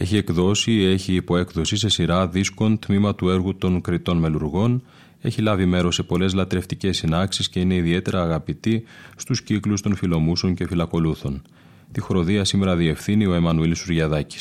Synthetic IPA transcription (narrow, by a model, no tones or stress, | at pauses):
e̞çie̞kðo̞sie̞çiːpo̞e̞kðo̞sise̞siɾɐðisko̞nt̪mimɐt̪ue̞ɾɣut̪o̞ŋkɾit̪o̞nme̞luɾɣo̞n | e̞çilɐvime̞ɾo̞se̞po̞le̞zlɐt̪ɾe̞ft̪ice̞sːinɐksisce̞ine̞iðie̞t̪e̞ɾɐːɣɐpit̪ist̪usciklust̪o̞nfilo̞muso̞ɲce̞filɐko̞luθo̞n | t̪ixɾo̞ðiɐsime̞ɾɐðie̞fθinio̞emɐnuilisuɾʝɐðɐci̥s